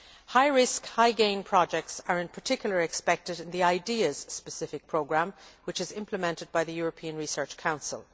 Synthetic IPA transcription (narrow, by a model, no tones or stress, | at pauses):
haɪɹɪskhaɪɡẽɪ̃npʰɹ̥ɑd͡ʒɛk̚tsə˞ɨ̃npʰə˞tʰɪkjl̩ˠə˞ɨkspɛk̚tɨɾɪ̃nðiaɪdiəz̥spəsɪfɪk̚pʰɹ̥oʊɡɹæ̃mwɨt͡ʃɨzɪ̃mpʰləmɛ̃ntɨd̚baɪðəjʊɹəpʰĩə̃nɹisɜ˞t͡ʃkʰãʊ̃nsə̰lˠ